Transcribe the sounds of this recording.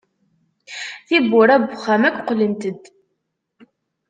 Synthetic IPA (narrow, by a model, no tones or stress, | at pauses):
θibːʊɾæbʊχːæmækʷːqːlimt̪əd̪